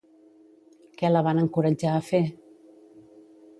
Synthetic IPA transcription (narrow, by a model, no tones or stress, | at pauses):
kɛləβanəŋkuɾəd͡ʒaːfe